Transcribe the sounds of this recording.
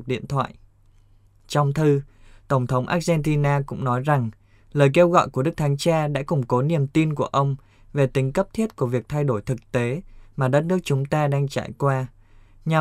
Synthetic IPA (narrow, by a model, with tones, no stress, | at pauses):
k̚ɗḭ˧˨ənt̪ʰwa̰ː˧˨j | t͡ɕɔ˧wŋ͡mt̪ʰɨ˧t̪ə˧˩wŋ͡mt̪ʰə˨˦wŋ͡mʔa̰ː˦˥k̚zɛ˧nt̪i˧naː˧kʊ̰˧˥ŋ͡mnɔ˨˦jza˨˩ŋ | ləː˨˩jke˧wɣɔ̰˧˨jku˧˩əɗɨ˦˥k̚t̪ʰa˨˦ŋt͡ɕaː˧ɗa̰ː˧˥kʊ˨˩ŋ͡mko˨˦ni˨˩əmt̪i˧nku˧˩əʔə˧wŋ͡m | ve˨˩t̪ï˨˦ŋ̟kə˦˥p̚t̪ʰi˦˥t̚ku˧˩əvi˨˩ək̚t̪ʰa˧jɗo˧˩jt̪ʰɨ˨˩k̚t̪e˨˦maː˨˩ɗə˦˥t̚nɨ˦˥ək̚t͡ɕʊ˨˦ŋ͡mt̪aː˧ɗaː˧ŋt͡ɕa̰ː˧˩jkwaː˧ | ɲa˨˩